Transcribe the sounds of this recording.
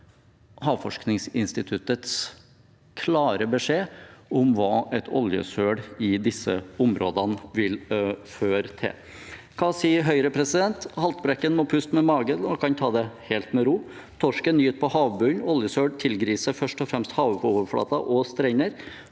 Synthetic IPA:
hɑːʋfɔʂknɪŋsɪnst̪ɪt̪ʰʉt̪ət̪s | kʰlɑːɾəbəʂeːʊmʋɑːʔɛt̪ʰɔ̰ljə̰søːɽɪd̪ɪsːə̰ʊmɾoːd̪ɑnʋɪlføːɾt̪ʰɪ̰l | kʰɑːsiːəɦœʏɾəpʰɾɛsɪd̪ɛnt̪hɑlt̪bɾɛkːənmɔpʰʉst̪mɛmɑːɡənɔkʰɑnt̪ʰɑːd̪ɛheːlt̪mɛɾuː | t̪ʰɔʂkənyːt̪̚pʰɔhɑːʋbʉnɔljəsøːɖt̪ʰɪlɡɾiːsəɾfœʂʈɔfɾɛmst̪hɑːʋpʰɔoːʋəɾfɽɑ̰ːt̪ɑʔɔst̪ɾɛɪnəɾ

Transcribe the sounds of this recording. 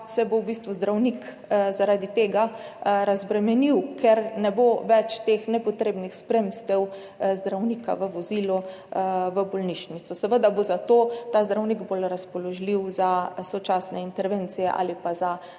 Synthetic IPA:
sɛbowbist̪ʋuzd̪ɾawnik | zaɾaːd̪it̪eːɡaɾazbɾɛmɛniwkʰɛɾnɛboʋɛt͡ʃt̪eːxnɛpɔt̪ɾeːbnixspɾemst̪ɛw | zd̪ɾawniːka̰ʋəʋɔzilu | ʋəbɔlniʃnit̪sɔsɛʋəd̪abozat̪oːt̪azd̪ɾawniɡbolɾaspɔlɔʒliwzasɔt͡ʃaːsnɛint̪ɛɾʋeːnt̪sijɛ̰ʔa̰ːlipaza

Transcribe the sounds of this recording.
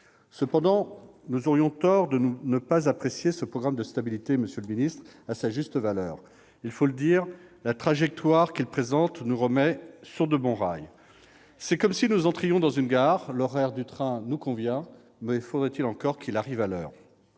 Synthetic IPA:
səpɑ̃d̪ɑ̃ | nuzɔʁjɔ̃t̪ɔʁd̪ənunəpazapχesjesəpχɔɡʁamd̪əst̪abilit̪eməsjøləminist̪χasaʒyst̪əvalœːʁ | ilfoləd̪iːʁlat̪χaʒɛk̚t̪waʁkilpχezɑ̃t̪nuʁəmɛsyʁd̪əbɔ̃ʁa̰j | sɛkɔmsinuzɑ̃t̪χijɔ̃d̪ɑ̃zynɡaʁlɔʁɛʁd̪yt̪χɛ̃nukɔ̃vjɛ̃ | mɛfod̪ʁɛt̪ilɑ̃kɔʁkʰilaʁivalœ̰ːʁ

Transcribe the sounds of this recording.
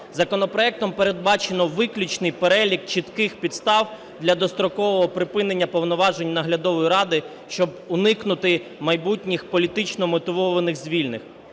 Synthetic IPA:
zɐkɔnɔpɾɔɛk̚t̪ɔmpeɾed̪̚bɑt͡ʃenɔʋɪklʲut͡ʃnɪjpeɾɛlʲik̚t͡ʃit̪kɪxpʲid̪st̪ɑw | d̪lʲɐd̪ɔst̪ɾɔkɔʋɔɦɔpɾɪpɪne̞nʲːɐpɔwnɔʋɑʒe̞nʲnɐɦlʲɐd̪ɔʋɔjiɾɑd̪ɪ | ʃt͡ʃɔbʊnɪknʊt̪ɪmɐjbutʲnʲixpɔlʲit̪ɪt͡ʃnɔmɔt̪ɪʋɔʋɐnɪɣzʲʋʲilʲnɪx

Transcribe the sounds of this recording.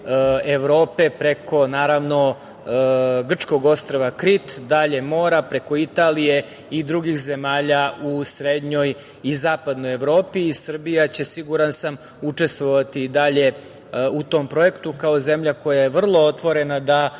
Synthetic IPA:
eʋɾo̞ːpe̞pɾe̞ko̞naːɾaʋno̞ | ɡr̩t͡ʂko̞ɡo̞st̪ɾaʋakɾit̪d̪aʎe̞mo̞ːɾapɾe̞ko̞it̪aːlije̞ | id̪ɾuɡixze̞maːʎausɾed̪ɲo̞j | izaːpad̪no̞je̞ʋɾo̞ːpiːsr̩bijat͡ɕe̞siɡuɾansam | ut͡ʂe̞st̪ʋo̞ʋat̪iːd̪aʎe̞ | ut̪o̞mpɾo̞je̞kt̪ukao̞ze̞mʎako̞jajeʋr̩lˠo̞ot̪ʋo̞ɾe̞nad̪a

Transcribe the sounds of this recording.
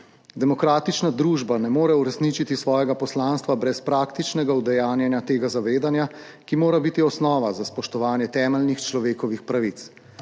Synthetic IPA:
d̪ɛmɔkɾaːt̪it͡ʃnad̪ɾuːʒbanɛmoːɾɛuɾɛsnit͡ʃit̪isʋɔːjɛɡapɔslaːnst̪ʋabɾɛspɾaːkt̪it͡ʃnɛɡaud̪ɛjaːnjɛnjat̪eːɡazaʋeːd̪anja | kimoːɾabit̪iɔsnɔːʋazaspɔʃt̪ɔʋaːnjɛt̪ɛːmɛlnixt͡ʃlɔʋeːkɔʋixpɾaʋit̪s

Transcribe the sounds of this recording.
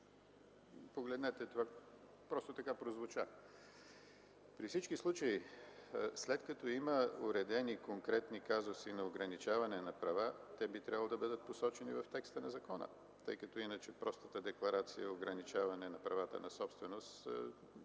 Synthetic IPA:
poɡlɛd̪nɛt̪ɛt̪ova | pɾɔst̪ot̪ɐkapɾozvʊt͡ʃa | pɾifsit͡ʃkislˠut͡ʃəi | slɛt̪kɐt̪ɔiməʊɾɛd̪ɛnikoŋkɾɛt̪nikazʊsinɐoɡɾɐnit͡ʃavɐnɛnɐpɾɐvat̪ɛbit̪ɾʲabəlˠod̪ɐbəd̪ət̪̚posɔt͡ʃɛnivɐft̪ɛkst̪ənɐzɐkɔnə̰ | t̪ɤ̰jkɐt̪ɔinət͡ʃɛpɾɔst̪ə̥t̪əd̪ɛklˠɐɾat̪sijəoɡɾɐnit͡ʃavɐnɛnɐpɾɐvat̪ə̰nɐsɔpst̪vɛnost̪

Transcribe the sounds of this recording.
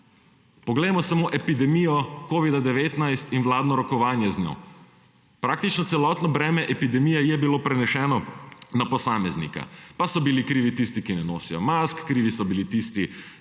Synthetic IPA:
pɔɡlɛjmɔsamoʔɛpid̪ɛmijɔkoːʋid̪ad̪ɛʋeːt̪najst̪inʋlaːd̪nɔɾɔkɔʋaːnjɛznjo̰ | pɾak̚t̪it͡ʃnɔt̪sɛlɔt̪nɔbɾɛːmɛʔɛpid̪ɛmijɛjɛbilopɾɛnɛʃɛːnɔnapɔsaːmɛznḭka̰pasɔbilikɾiːʋit̪ist̪ikinɛnoːsijɔmaskːɾiːʋisɔbilit̪ist̪i

